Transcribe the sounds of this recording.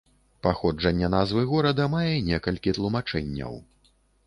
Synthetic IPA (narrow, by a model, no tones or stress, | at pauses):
paxɔd͡ʐɐnʲːɛnazvɨɣɔɾɐd̪ɐmajɛnʲɛkɐlʲkʲit̪lˠumat͡ʂɛnʲːɐ̰w